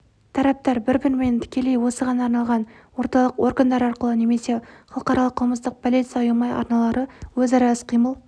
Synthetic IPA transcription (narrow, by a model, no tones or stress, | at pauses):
t̪ʰɑɾɑp̚t̪ɑɾbɪɾbɪɾme̞nt̪ʰɪ̥kʲe̞le̞jwo̞səʁɑnɑːɾnɑlˠʁɑnwo̞ɾt̪ɑlˠəqo̞rɡand̪ɑɾɑɾqəlˠəne̞me̞se̞χɑlˠəqɑɾɑlˠəqʰːəlˠməst̪əq̚pʰolit̪sjɑʊjɑmɑjɑ̰ɾnɑlˠɑɾəwɵzɑɾɑəsqʰijməlˠ